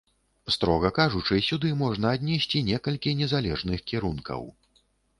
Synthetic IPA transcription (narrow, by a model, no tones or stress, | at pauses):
st̪ɾɔɣɐkaʐut͡ʂɨsʲud̪ɨmɔʐnɐːd̪ʲnʲɛsʲt͡sʲinʲɛkɐlʲkʲinʲɛzalʲɛʐnɨxkʲiɾunkʰɐ̰w